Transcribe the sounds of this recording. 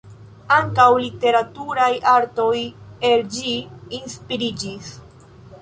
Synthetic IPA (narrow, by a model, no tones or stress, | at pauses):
aŋkawlite̞ɾatuɾajaɾto̞je̞ld͡ʒiːnspiɾid͡ʒis